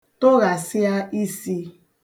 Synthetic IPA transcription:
to˦ɣa˨sɪ˦a˦i˦si˦

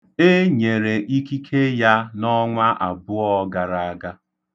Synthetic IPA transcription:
e˦ɲe˨ɾe˨ʔi˦ki˦kʰe˦ja˦nɔ˦ŋʷa˦ʔa̰˨bʊ˦ɔ˦ɡa˨ɾa˨a˦ɡa˦

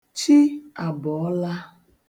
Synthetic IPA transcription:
t͡ʃi˦a˨bɔ˨ɔ˦la˦

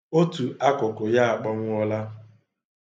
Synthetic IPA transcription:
o˦tu˨a˦kʊ˨kʊ˨ja˦a˨k͡pɔ˦ŋʷ˦ɔ˦la˦

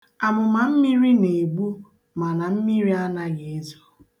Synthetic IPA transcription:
a˨mʊ˨ma˨m̩˦mi˦ɾi˦ne˨ɡ͡bu˦ | ma˨na˨m̩˦mi˦ɾi˦a˦na˦ɣe˨e˦zo̥˨

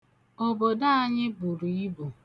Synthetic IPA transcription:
o˦bo˨da˦a˦ɲɪ˦bu˨ɾu˨i˦bo˨

